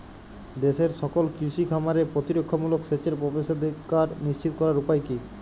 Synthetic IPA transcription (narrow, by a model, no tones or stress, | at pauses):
d̪eʃeɾʃɔkolkɾiʃikʰamaɾepɾot̪iɾokʰːomulokset͡ɕeɾpobeʃod̪ʱikːaɾniʃt͡ɕit̪okɔɾaɾupajki